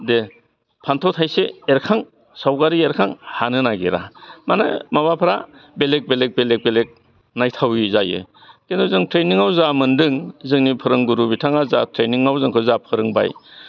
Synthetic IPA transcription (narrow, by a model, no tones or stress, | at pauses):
de | pʰantʰawtʰajseeɾkʰaŋ | sawɡaɾieɾkʰaŋhanɯnaɡeɾa̰mana̰maβapʰɾa̰belek̚belek̚belek̚belek̚ | najtʰawizajɯ̰ | kendɔzɯŋtʰɾeniŋawzamɯndɯŋzɯŋnipʰɯɾɯŋɡuɾubitʰaŋazatʰɾeniŋawzɯŋkʰɯzapʰɯɾɯŋba̰j